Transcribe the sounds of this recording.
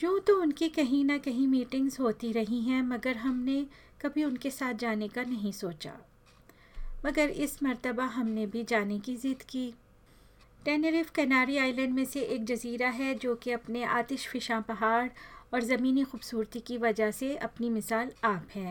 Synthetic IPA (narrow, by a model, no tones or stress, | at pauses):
jũːt̪oʊnkikɐɦĩnakɐɦĩmiːʈɪ̃ŋɡzɦoːt̪iɾɐɦĩɦɛ̃mɐɡəɾɦɐmne | kɐbʱiʊnkesaːt̪̚ʰd͡ʒaːnekanɐɦĩsoːt͡ʃa̰ː | mɐɡəɾɪsmɐɾt̪əbaɦɐmnebʱid͡ʒaːnekizɪd̪kiː | ʈɛːneɾɪfkɛːnaːɾiaːɪlɛ̃ːɳɖmẽseʔeːk̚d͡ʒɐziːɾaɦɛd͡ʒoːkeɐpneʔa̰ːt̪ɪʃfɪʃãpɐɦaːɾɔːɾzɐmiːnixuːbsuːɾt̪ikiʋɐd͡ʒaɦseɐpnimɪsaːlaːpɦɛ̃ː